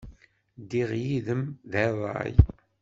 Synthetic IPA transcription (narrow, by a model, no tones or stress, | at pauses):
d̪iʁjiðəmðæðˤɑ̰j